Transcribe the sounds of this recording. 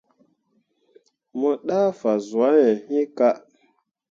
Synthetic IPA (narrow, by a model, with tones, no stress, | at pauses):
mɔ˨ɗaː˦fa˨zu˨a˨˦jɛ˨ɲi˦ka˦